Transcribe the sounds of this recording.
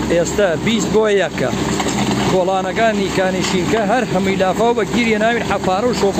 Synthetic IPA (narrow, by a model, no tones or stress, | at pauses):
ʔeːst̪ɐbist̪̚boːjjɐkːɐ̰ | koːlˠaːnɐkaːniːkaːniʃiːnkɐɦɐɾɦɐmujlaːfaːwbɐɡiɾjenaːwiːnħafaːɾɐwʃoːk